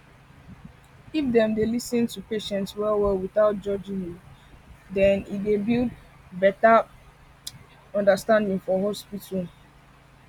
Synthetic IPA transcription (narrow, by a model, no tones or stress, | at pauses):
ifdɛ̃mdelisə̃ntupeʃɛ̃ntswɛlwɛlwiθaʊt̚d͡ʒɔd͡ʒĩŋu | dɛ̃nidebild | bɛta | ɔ̃ndəstãndĩŋfɔhɔspitu